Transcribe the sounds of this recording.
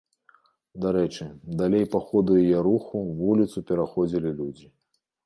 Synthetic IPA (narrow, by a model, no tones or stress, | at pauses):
d̪aɾɛt͡ʂɨd̪alʲejpaxɔd̪ujjɛɾuxuvulʲit̪supʲɛɾaxɔd͡zʲilʲilʲud͡zʲi